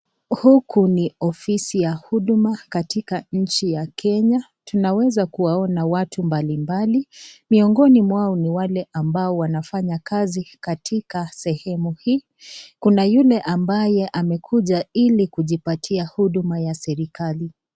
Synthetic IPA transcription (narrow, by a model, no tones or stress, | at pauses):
hukuniɔfisijahuɗmakatikaɲ̩t͡ʃijakʰɛɲa | tunawɛzakuwaɔnawatʰumbalimbalimiɔŋɡɔnimwaɔniwalɛʔambaɔwanafaɲakazikatʰikasɛhɛmuhiː | kunajulɛʔambajɛʔamɛkʰuʄailikuʄipatʰiahuɗumajasɛɾikali